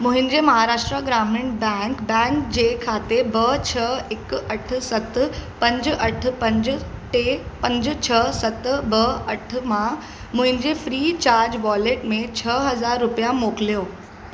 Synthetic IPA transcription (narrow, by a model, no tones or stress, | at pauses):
mũɦind͡ʑemɐɦaɾaːʂʈɾəɡɾameɳʈbɛ̃ŋkbɛ̃ŋkd͡ʑekʰat̪ebət͡ɕʰəekəʈʰsət̪pɐ̃ɲd͡ʑɐʈʰpə̃ɲd͡ʑʈepɐ̃ɲd͡ʑt͡ɕʰəsət̪bəəʈʰmã | mʊɦɪ̃nd͡ʑefɾiːt͡ɕaːɾd͡ʑʋɔleʈmẽt͡ɕʰəɦɐzaɾːupjamokljo